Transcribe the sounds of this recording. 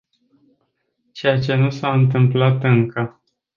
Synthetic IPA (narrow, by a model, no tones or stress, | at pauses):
t͡ʃe̞jat͡ʃe̞nusaɨnt̪ɨmplat̪ɨŋkə